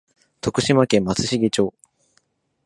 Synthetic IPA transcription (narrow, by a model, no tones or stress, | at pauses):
t̪o̞kɯ̟ɕimakẽ̞mːat͡sɨɕiɡʲit͡ɕo̞ː